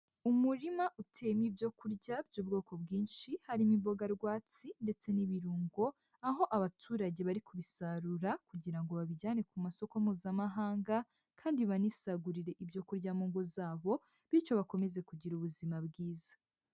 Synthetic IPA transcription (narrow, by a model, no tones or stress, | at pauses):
umuɾimaʔutʰemibɟo̞kuɾɟabɟuːbɡo̞ːko̞bɡiːnʃihaɾimiβo̞ɡaɾɡwaːt͡sinde̞t͡se̞niβiɾuːŋɡo̞ | aɦo̞ʔaβatʰuːɾaɟe̞βaɾikuβisaɾuɾakuɟiɾaŋɡo̞βaβiɟaːne̞kumaso̞komuːzamaɦaːŋɡa | kʰaːndiβanisaɡuɾiɾe̞ʔibjo̞kuɾɟamuːŋɡozaːβo̞ | βit͡ʃo̞βako̞me̞ze̞kuɟiɾuβuzimabɡiːzḁ